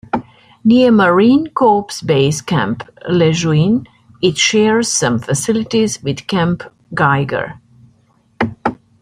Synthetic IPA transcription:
niəməɹĩnkʰɔpsbeɪskæ̰̃mplɛʒuĩn | ɪtʃɛɹz̥sʌ̃mfəsɪlɪtizwɪð̥kæ̃mp | ɡaɪɡə̰˞

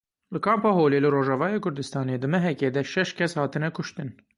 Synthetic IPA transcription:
lɨkʰɑːmpɑːɦoːleːlɨroːʒɑvɑːjeːkʰʊɾd̪ɨst̪ɑːneːd̪ɨmɛɦɛkeːd̪ɛʃɛʃkʲʰɛshɑːt̪ɨnɛkʰʊʃt̪ɨn

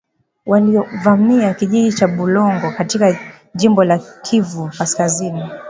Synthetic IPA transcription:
waliɔvamiakiʄiʄit͡ʃaɓulɔŋɡɔkatika | ʄimbɔlakʰivukaskazini

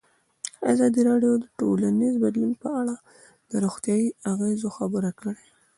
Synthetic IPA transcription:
a̰zɑd̪iɾɑɖjod̪əʈolanizbad̪linpəaɽa | d̪̥əɾoɣt̪jɑjiaɣezoxabəɾakəɽe

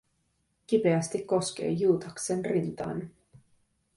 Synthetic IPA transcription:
k̟ipe̞æst̪ikːo̞sk̟e̞̰ːjuːt̪ɑksenrint̪ɑ̰ːn

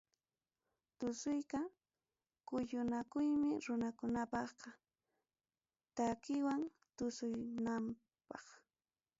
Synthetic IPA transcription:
t̪ʊsʊjka | kʊjʊnakʊjmɪɾʊnakʊnapɑχqɑ | t̪akɪwaŋ | t̪ʊsʊjnam | pɑχ

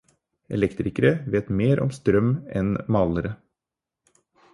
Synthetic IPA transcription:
ɛ̰lɛkt̪ɾɪkəɾəʋeːt̪meːɾʔɔ̰mst̪ɾœmɛnmɑːləɾə

